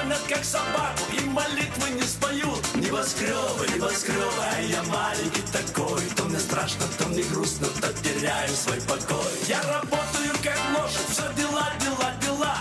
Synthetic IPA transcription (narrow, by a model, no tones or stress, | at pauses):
nʲɐt̪̚kaksɐbakʊimɐlʲit̪vɨnʲɪspɐjut̪nʲɪvɐskɾʲovɨɪvɐskɾʲovajjamalʲɪkʲɪt̪ɐkojʊt̪omnʲɛst̪ɾaʂnət̪omnʲɛɡɾusnət̪ɐtʲːɪɾʲajʊsvojpɐkojjarɐbot̪əjʊkaklˠoʐɨt̪zɐdʲɪlˠadʲɪlˠadʲɪlˠa